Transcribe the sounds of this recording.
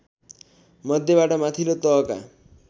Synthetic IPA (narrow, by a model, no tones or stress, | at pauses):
mʌd̪ʱjebaʈʌmat̪ʰilot̪ʌka̰